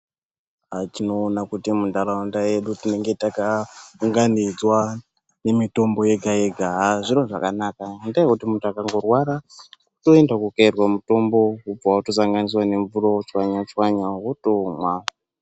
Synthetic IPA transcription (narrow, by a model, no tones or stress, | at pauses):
atinoːnakutimundaɾaundaje̞ɗutine̞ŋɡe̞takaŋɡanid͡zwa | ne̞mito̞mbo̞je̞ɡʱajeɡʱaɦaʐinoʐa̰kanaːkandaekutimuntuakaŋɡo̞rwaɾa | uto̞endakukairwamuto̞mbo̞kub͡vaotosaŋɡanis̬wane̞ɱvuroot͡ʃwaɲat͡ʃwaɲaɦotomwa